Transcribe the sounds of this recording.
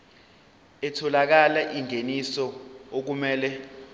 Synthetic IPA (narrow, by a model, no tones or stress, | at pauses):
ɛtʰɔlak̬alaʔiŋʱenisɔok̬umɛːlɛ